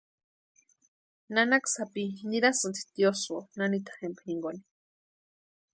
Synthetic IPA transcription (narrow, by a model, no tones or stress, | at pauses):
nanaksapiniɾasɨnt̪i̥t̪josonanit̪ḁxempniŋɡoni̥